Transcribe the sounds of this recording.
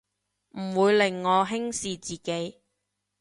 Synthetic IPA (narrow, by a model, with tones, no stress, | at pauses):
m̩˨˩wuː˨˧jlɪ˨˩ŋːɔː˨˧ɦɪ˥ŋsiː˨˧t͡siː˨ke˨˥j